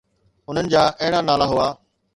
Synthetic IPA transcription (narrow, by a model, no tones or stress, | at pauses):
ʊn̤ənɪ̆d͡ʑaːʔɐɦɪɽanaːlaɦʊaː